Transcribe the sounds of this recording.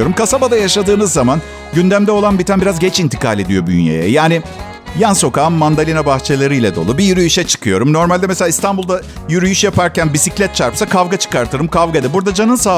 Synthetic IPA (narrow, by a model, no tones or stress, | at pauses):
oɾumkʰasabad̪ajaʃad̪ɯːnɯzːaman | ɟynd̪æmd̪ɛo̞lˠanbit̪ʰænbiɾazɡɟɛt͡ʃint̪ʰi̥kaːlʲe̞d̪ijo̞by̰njea̰jɛ̰jaːnɪ | janso̞kaːmːand̪alʲinabaxt͡ʃʰelˠaɾɯjlʲɛd̪o̞̰lˠubijyɾyjyʃɛt͡ʃʰɯ̥kʰɯjo̞ɾumno̞ɾmalʲd̪ɛmeselʲaist̪ʰanbulˠd̪a | jyɾyjyʃjapaɾcænbisiclʲɛt̪̚t͡ʃʰaɾpsakʰavɡat͡ʃʰɯ̥kaɾt̪ʰɯɾɯmkʰavɡad̪ɛbuɾd̪ad͡ʒanɯnsaː